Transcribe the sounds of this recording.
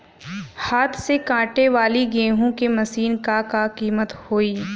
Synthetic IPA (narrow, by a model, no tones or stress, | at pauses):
haːt̪ʰsekãːʈeʋaːliɡẽːɦõkemɐsiːnkakakiːmət̪hoːiː